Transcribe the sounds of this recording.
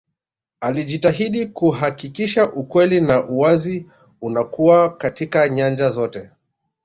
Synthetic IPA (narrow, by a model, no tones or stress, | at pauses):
aliʄitaɦiɗikuɦakikiʃaʔukwɛlinaʔuwazi | unakuakatikaɲand͡ʒazɔtɛ